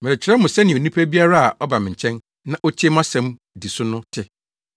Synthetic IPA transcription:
mɛ̃˨ɾɪ˨t͡ɕʰɪ˨ɾɛ˦mʊ̃˨sɛ˦nɪ̃˨o˨nĩ˦pʰæ˦bi˦a˦ɾa˦a˨ʔɔ˦ba˨mɪ̃˨ɲ̩˨t͡ɕʰɛ̃˦n | nã˦ʔɔ˦t͡ɕʰɪ˦m˦ã˦sɛ̃˨m | di˨sʊ˦nʊ̃˦tʰɪ˦

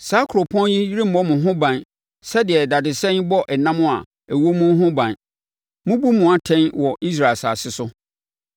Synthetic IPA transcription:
saː˨˦kʰo˨pʰɔ̃˦nji˦ji˦ɾĩ˦m̩˨ɔ̃˦mʊ̃˨ɦʊ̃˦bã˨n | sɛ˦dɪ˨ɛ˨da˨dɪ˨sɛ̃˦nbɔ˦ʔɛ˨nã˦mʊ̃˦a˨ | æ˨wo˦mʊ̃˦ɦʊ̃˦bã˨n | mʊ̃˦bu˦mʊ̃˨a˨tʰɛ̃˦nwɔ˨ʔi˦s̬ɾa˨lsa̰ː˨sɪ˦sʊ˦

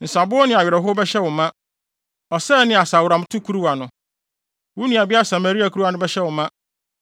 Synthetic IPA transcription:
n̩˨sa˨bʊ˦ɔ˦nɪ̃˨a˨ɥɪ˨ɾɛ˨ɦʊ˦bɛ˦ɕɛ˦wʊ̃˨mã˦ | ɔ˨sɛ˦nɪ̃˨˦a˨sa˨wʊ˨ɾã˨m˦tʰʊ˦kʰu˦ɾu˦wa˨nʊ̃˨ | wu˦nĩ˦˨a˨bɪ˦a˦sa˨ma˨ɾi˦a˨kʰu˦ɾu˦a˨nʊ̃˦bɛ˦ɕɛ˦wʊ˨mã˦

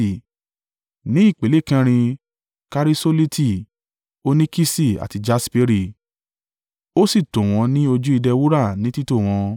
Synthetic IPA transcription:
nĩ˨˦i˦˨k͡pe˨le˦˨kɛ̃˧ɾ̃ĩ˧ | ka˧ɾi˦so˦li˦tʰi˦˨ | o˦nĩ˦ki˦si˦˨a̰˨ti˧d͡ʒa˧spe˦ɾi˦˨ | o˦si˦˨tõ˨w̃ɔ̃˨˧˦nĩ˦o˧d͡ʒu˦i˧dɛ˧wu˦ɾa˦˨nĩ˦ti˦to˦˨w̃ɔ̃˧

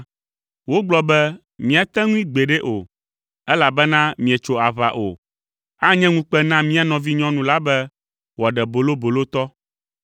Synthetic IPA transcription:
wo˦ɡ͡blɔ˦bɛ˦ | mĩ˦˨a˨t̪ɛ̃˦ŋũ˦ĩ˦ɡ͡be˨ɖɛ˦ʔo˨ | ɛ˦la˨bɛ˦nã˦mĩ˨ɛ˨t͡ʃo˨a˨βa̰˨ʔo˨ | a˦ɲɛ̃˦ŋũ˦k͡pɛ˦nã˦mĩ˦a˨nɔ̃˨vi˦ɲɔ̃˦nũ˨la˦bɛ˦ | wɔ˨ɖɛ˨bo˨lo˦bo˨lo˦t̪ɔ˦

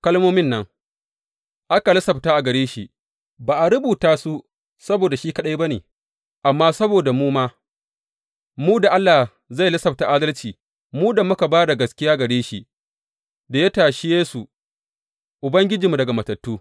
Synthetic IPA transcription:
kɐ˦lmoː˦mɪ˦nːɐ˦ŋ | ʔa˦ka˨lɐ˦sɐ˨btaː˦ʔa˨ɡɐ˨ɽeː˦ʃi˨ | baː˨ʔa˨ɾʊ˦buː˨taː˦su˦ | sɐ˦boː˨da˨ʃiː˦kɐ˦ɗa˦jba˦neː˨ | ʔa˨mːaː˦sɐ˦boː˨da˨muː˦maː˦ | muː˦da˨ʔa˦lːa˨ | za˦˨jlɐ˦sɐ˨b̚ta˨ʔaː˦dɐ˦lt͡ʃiː˨ | muː˦da˨mʊ˦ka˨baː˦da˨ɡɐ˨skʲɪ˦jaː˦ɡɐ˨ɽeː˦ʃi˦ | da˨ja˦taː˨ʃɪ˦jeː˦su˨ | ʔʊ˨bɐ˦ŋɡʲɪ˦d͡ʒiː˨mu˨dɐ˨ɡa˨mɐ˨tɐ˨tːuː˦

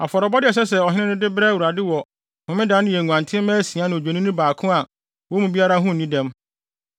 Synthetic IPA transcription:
a˨fɔ˨ɾɔ˨bɔ˦dɪ˦ɛ˨s̬ɛ˦sɛ˨ɔ˨ɦɪ˦nɪ̃˦nʊ̃˦dɪ˦bɾɛ˦˨wu˨ɾa˨dɪ˦wɔ˨ | hʊ̃˨mɪ̃˦dã˨˦nʊ̃˦jɛ˨ŋũ˨ã˨ntʰɪ̃˦mɛ̃ː˦si˨a˦nʊ̃˨d͡ʑᶣe˨nĩ˦nũ˦baː˨kʰʊ̃˦a˨ | wɔ˦mũ˨bi˦a˦ɾa˦ɦʊ̃˦˨nĩ˦dɛ̃˦m

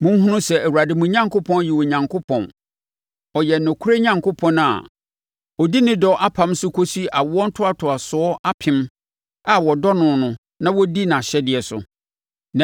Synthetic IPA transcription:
mʊ̃˦m˦ɦʊ̃˦nʊ̃˦sɛ˨æ˨wu˨ɾa˨dɪ˨mũ˨ɲã˦ŋkʰo˦pʰɔ̃˦nji˨wɔ˨ɲã˨ŋkʰo˦pʰɔ̃˨n | ɔ˨jɛ˨nʊ̃˨kʰu˦ɾe˦ɲã˨ŋkʰo˦pʰɔ̃˦na̰˨ | ɔ˨di˦nɪ̃˦dɔ˦ʔa˦pʰã˦msʊ˦kʰo˦si˦ʔa˨wɔ˦n̩˦tʰʊ˦a˨tʰʊ˨a˨sʊ˨˦ɔ˦ʔa˦pʰɪ̃˨˦m | a˨wɔ˨dɔ˦nʊ̃˨nʊ̃˨ | nã˦wɔ˦di˦nã˨ɕɛ˦dɪ˨ɛ˨sʊ̰˨ | n˨

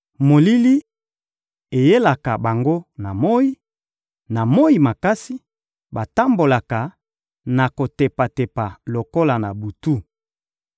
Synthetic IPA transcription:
mo˨li˦li˦ | e˨je˦la˨ka˨ba˨ŋɡo˦na˨mo˦i˦ | na˨mo˦i˨ma˨ka˦si˦ | ba˨ta˦mbo˨la˨ka˨ | na˨ko˨te˨pa˨te˨pa˨lo˨ko˦la˨na˨bu˨tu˦

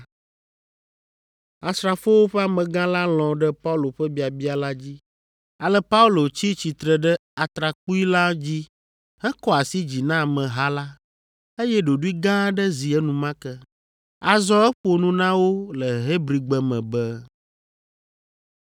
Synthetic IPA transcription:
a˨st̪ɾa˨fo˦wo˦ɸɛ˦a˨mɛ̃˨ɡã˦la˦l̃ɔ̃˨ɖɛ˦pa˦u˦lo˨ɸɛ˦bi˦a˨bi˦a˨la˦d͡ʑi˦ | a˨lɛ˦pa˦u˦lo˨t͡ɕi˦t͡ɕi˨t̪ɾɛ˨ɖɛ˦a˨t̪ɾa˨k͡pu˦i˦la˦d͡ʑi˦ | ɦɛ˦kɔ˦a˨si˦d͡ʑi˨nã˦˨mɛ̃˨ɦa˦la˦ | e˦jɛ˦ɖo˨ɖu˦i˦ɡã˦ɖɛ˦zi˨ɛ˦nũ˨mã˦kɛ˦ | a˨zɔ̃˦ɛ˦ɸo˨nũ˦nã˦wo˦lɛ˨ɦe˦bɾi˨ɡ͡bɛ˨mɛ̃˨bɛ˦

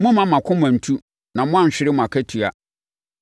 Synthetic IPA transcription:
mʊ̃˦mã˨mã˨kʰʊ̃˦m˨ã˨n̩˨tʰu˦ | nã˨mʊ̃˦ã˦˨ɲ̩˨ɕᶣɪ˦ɾɪ˦mʊ̃˨a˨kʰæ˦tʰu˨a˨

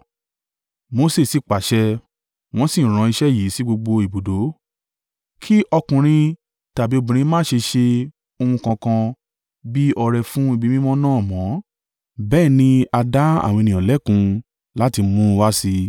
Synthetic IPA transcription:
mo˧se˦˨si˨k͡pa˨ʃɛ˧ | w̃ɔ̃˦sĩ˦˨ɾ̃ã˨˧i˧ʃɛ˦ji˨˦si˦ɡ͡bo˧ɡ͡bo˧i˨bo˨do˨˦ | kʰi˦ʔɔ˧kũ˨ɾ̃ĩ˧ | ta˨bi˨˦o˧bũ˨ɾ̃ĩ˧˦mãː˦˨ʃe˧ʃe˧ | o˧hũ˧kã˧kã˧ | bi˦ɔ˧ɾɛ˧fũ˦i˦˧bi˨˦mĩ˦mɔ̃˦nãː˦˨mɔ̃˨˦ | bɛː˦˨nĩ˧a˧da˦a̰˦˨w̃ĩ˧nĩ˨ɔ̃˨lɛ˨˦kũ˧ | la˦ti˧mũ˦˧wa˦si˧

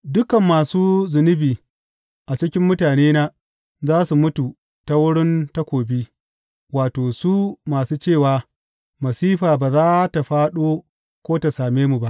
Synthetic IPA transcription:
dʊ˦kɐ˨mːaː˨suː˦zɪ˨nɪ˦biː˨ | ʔa˨t͡ʃɪ˦kʲɪ˦mːʊ˦taː˨neː˦naː˦ | zaː˦su˨mʊ˦tu˨ | ta˦wʊ˦ɽɪ˦nta˦kʷoː˨bi˦ | waː˨toː˨su˦maː˨suː˦t͡ʃeː˦˨waː˨ | mɐ˨siː˦ɸaː˨baː˨zaː˦ta˨ɸaː˦ɗoː˦ | kʷoː˦ta˨saː˨meː˦mu˨ba˦ʔ

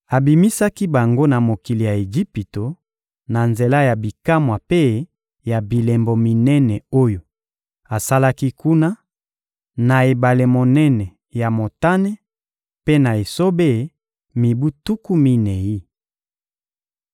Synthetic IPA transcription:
a˨bi˨mi˦sa˦ki˦ba˨ŋɡo˦na˨mo˨ki˨li˨ja˨e˨d͡ʒi˦pi˨to˨ | na˨nze˨la˦ja˨bi˨ka˦mwa˨pe˦˨˦ | ja˨bi˨le˨mbo˨mi˨nɛ˦nɛ˨o˦jo˨ | a˨sa˦la˦ki˦ku˦na˦ | na˨e˨ba˨le˨mo˨nɛ˦nɛ˨ | ja˨mo˨ta˦nɛ˦ | pe˦na˨e˨so˦be˦˨˦ | mi˨bu˦tu˦ku˦mi˦nɛ˨i˦

